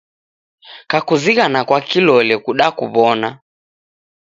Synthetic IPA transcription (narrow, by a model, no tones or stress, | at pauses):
kakuziɣanakwakilɔlɛkuɗakṵβɔna